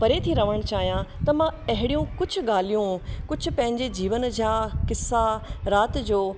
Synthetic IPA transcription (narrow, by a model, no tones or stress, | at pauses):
pɐɾet̪ʰiɾɐʋəɽ̃t͡ɕaːɦijãt̪ɐmãɐɦɪɽijũkʊd͡ʑʱʊ̆ɠaːl̤ijũkʊd͡ʑʱʊ̆pɐ̃ɦɪ̃ɲd͡ʑed͡ʑiːʋənd͡ʑaːkɪsːaɾaːt̪d͡ʑoː